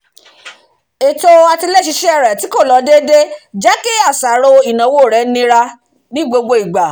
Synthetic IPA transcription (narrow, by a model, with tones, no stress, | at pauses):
e˨to˧a˧ti˧le˦˨ʃi˨˧ʃɛ˦ɛ˦˨ɾɛ˨ti˨˦ko˦˨lɔ˨˧˦de˦de˦d͡ʒɛ˦ki˦a˦˨sa˨˦ɾo˧i˨nã˨˦wo˦˨ɾɛ˨˦nĩ˧˦ɾa˧ | nĩ˦ɡ͡bo˧ɡ͡bo˧i˨ɡ͡ba˨